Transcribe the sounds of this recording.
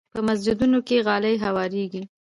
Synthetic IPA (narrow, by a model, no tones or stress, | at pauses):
pəmas̬d͡ʒɪd̪unokeɣɑləjɦawɑɾeɡi